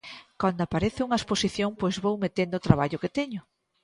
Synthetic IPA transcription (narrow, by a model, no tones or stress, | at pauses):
kand̪oapaɾeθeuŋɐesposiθjoŋpojzβowmet̪end̪oːt̪ɾaβ̞aʎʊket̪ɛɲʊ